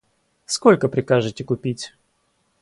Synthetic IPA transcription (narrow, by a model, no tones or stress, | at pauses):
skolʲkəpɾʲɪkaʐɨtʲɪkʊpʲitʲ